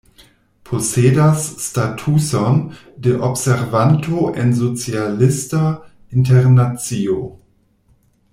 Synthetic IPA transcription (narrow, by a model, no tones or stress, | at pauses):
pʰoseːdasːtatʰuson | deʔopseʁvantʰoʔḛnzot͡sialista | inteʁnat͡sio